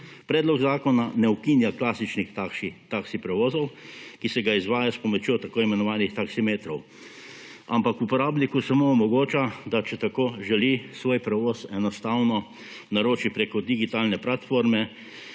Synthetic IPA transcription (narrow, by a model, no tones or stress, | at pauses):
pɾɛːd̪lɔɡzaːkɔnanɛukiːnjaklaːsit͡ʃnixt̪akʃit̪aksipɾɛʋoːzɔwkisɛɡaizʋaːjaspɔmɔt͡ʃjoːt̪akoːimɛnɔʋaːnixt̪aksimeːt̪ɾɔw | a̰mpakupɔɾaːbnikusamoːmɔɡoːt͡ʃad̪at͡ʃɛt̪akoːʒɛlisʋoːjpɾɛʋoːsɛnɔst̪aːwnɔ | naɾoːt͡ʃipɾeːkɔd̪iɡit̪aːlnɛplat̪foːɾmɛ